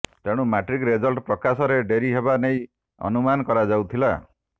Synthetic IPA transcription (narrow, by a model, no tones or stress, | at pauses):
t̪eɽ̃umaʈɾikɾed͡ʒɔlʈpɾɔkasɔɾeɖeɾiɦebaneĩ | ɔ̰numanɔkɔɾad͡ʒawt̪ʰila